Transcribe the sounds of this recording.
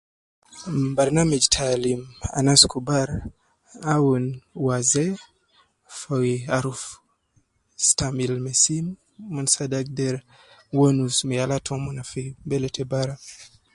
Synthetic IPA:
baɾnamed͡ʒtʰalima̰naskubaɾ | awunwazɛ | fawiaɾuf | stamilmɛsin | mɔnsadak̚dɛɾ | wonusmɛalatʰɔmɔnafibɛlɛtʰɛbaɾa

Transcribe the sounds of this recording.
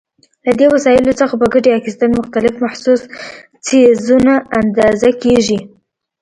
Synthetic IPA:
lad̪ewasɑjɪlot͡səxabəɡəɖeɑxɪst̪anmʊxt̪alɪfmahsus | t͡sezunaand̪ɑzakeʒi

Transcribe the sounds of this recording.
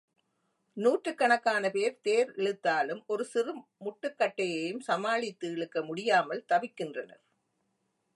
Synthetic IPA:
nuːʈrɯkːɐɳɐkːaːnɐpeːɾt̪eːɾɛɻɯt̪ːaːlɯmʔɔɾɯsɪrɯmʊʈːɯkːɐʈːɐjɐjɯmsɐmaːɭɪt̪ːɯɪɭɯkːɐmʊɽɪjaːmɐlt̪ɐʋɪkːɪndrɐnɐ̰ɾ

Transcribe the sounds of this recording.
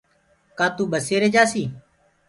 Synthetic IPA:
kãːt̪uːɓəseːɾeːd͡ʒaːsiː

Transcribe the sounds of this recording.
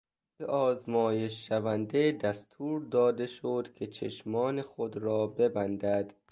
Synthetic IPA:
eʔɒːzmɒːjeʃːævænd̪ed̪æst̪ʰuːɾd̪ɒːd̪eʃod̪kʰe̞t͡ʃʰeʃmɒːnexod̪ɾɒːbe̞bænd̪æd̪̥

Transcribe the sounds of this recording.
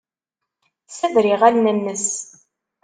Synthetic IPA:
səðɾɪʁælnænːəs

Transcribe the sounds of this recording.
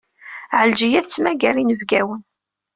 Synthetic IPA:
ʕəld͡ʒijæθt͡sːmæɡæɾinəvɡæwən

